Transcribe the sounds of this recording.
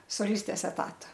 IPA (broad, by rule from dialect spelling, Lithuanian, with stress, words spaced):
soːˈlʲɪsʲtʲeːs ɛˈtɑːtɐ